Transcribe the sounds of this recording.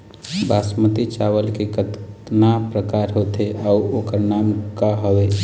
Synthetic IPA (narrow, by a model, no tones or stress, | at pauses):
basmət̪it͡ʃawəlkekət̪napɾəkaɾɦot̪eʔauokəɾnamkaɦəwe